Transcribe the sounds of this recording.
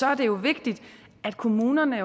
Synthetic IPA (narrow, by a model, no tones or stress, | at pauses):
ɒ̽æɐd̥e̝jo̝ʋe̝ɡ̥̚d̥id̥ʔæd̥kʰo̝muːnɐnə